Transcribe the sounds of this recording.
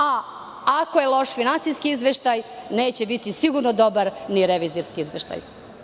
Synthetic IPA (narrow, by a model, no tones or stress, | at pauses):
a | ako̞jelˠo̞ʃfinansijskiizʋeʃt̪ajne̞ːt͡ɕebit̪isiɡuɾnod̪o̞baɾniɾeʋiziɾskiizʋeʃt̪a̰j